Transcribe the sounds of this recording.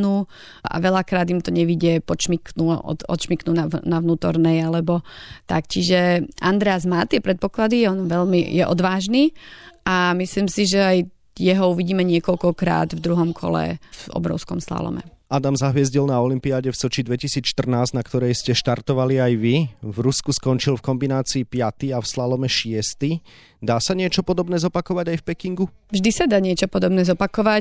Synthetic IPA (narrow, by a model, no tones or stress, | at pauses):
nuː | a̰ʋɛʎakɾaːd̪imt̪ɔɲɛʋiɟɛpɔt͡ʃmiknṵɔ̰ɔ̰t͡ʃmiknuːnanaʋnuːt̪ɔɾnɛjalɛbɔt̪akt͡ʃiʒɛa̰nd̪ɾɛaːzmaːt̪ɪɛpɾɛt̪̚pɔklad̪iɔnʋɛlmijɛʔɔd̪ʋaːʒniːamisliːmsiʒɛaj | jɛɦɔuʋiɟiːmɛɲɪɛkɔʎkɔkɾa̰ːd̪vd̪ɾuɦɔmkʰɔ̰lɛ̰fɔ̰bɾɔ̰ʊskɔmsla̰lɔ̰mɛ̰ | ad̪amzaɦʋɪɛzɟilnaɔlimpiaːɟɛfsɔt͡ʃid̪ʋɛcisiːt͡sʃt̪r̩naːzɟnakt̪ɔɾɛjscɛʃt̪aɾt̪ɔʋaliajʋivɾuskuskɔnt͡ʃilfkɔmbinaːt͡siːpɪat̪iafslalɔmɛʃɪɛst̪i | d̪aːsaɲɪɛt͡ʃɔpɔd̪ɔbnɛːzɔpakɔʋaɟajfpɛkiŋɡu | vʒd̪isad̪aːɲɪɛt͡ʃɔpɔd̪ɔbnɛːzɔpakɔʋa